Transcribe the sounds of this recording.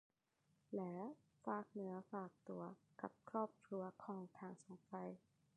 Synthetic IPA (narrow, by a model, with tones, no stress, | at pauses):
lɛː˦˥ | faː˨˩k̚nɯ˩˦ɐfaː˨˩k̚t̪u˨˩ɐka˨˩p̚kʰɾɔː˥˩p̚kʰɾu˧ɐkʰɔː˧ŋt̪ʰaː˧ŋso˨˩˦ŋfa˧j